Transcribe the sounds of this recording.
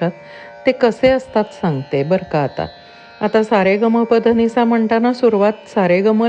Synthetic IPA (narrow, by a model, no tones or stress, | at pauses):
at̪ː | ekəseəst̪at̪saŋɡt̪ebəɾkaːt̪a̰ | at̪asaɾeɡəməpəd̪ʱənisaməɳʈanasuɾʋat̪saɾeɡəmə